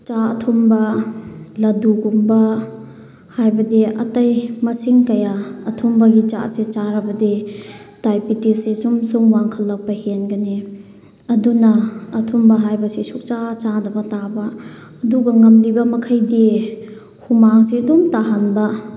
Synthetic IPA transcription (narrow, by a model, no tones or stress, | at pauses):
t͡ʃaɐtʰumbɐ | lɐduɡumbɐ | hajbɐdiɐtɐjmɐsiŋkɐjaɐtʰumbɐɡit͡ʃa̰set͡ʃaɾɐbɐditajpitisesumsuŋwaŋkʰɐlːɐk̚pɐhenɡɐni | ɐdunɐːtʰumbɐɦajbɐsisuk̚t͡ʃat͡ʃadɐbɐtabɐː | duɡɐŋɐmlibɐmɐkʰɐjdi | humaŋsiɐdumtaɦanbɐ